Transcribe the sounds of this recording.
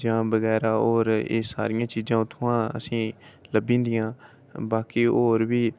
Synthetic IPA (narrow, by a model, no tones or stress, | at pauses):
d͡ʒãːbəɣɛːɾaːoːɾḛːsa̰ːɾɪjãːt͡ʃiːd͡ʒãːt̪ʰʊãːə̰sĩːləbĩːnd̪ɪjãː | baːkiːoːɾʋiː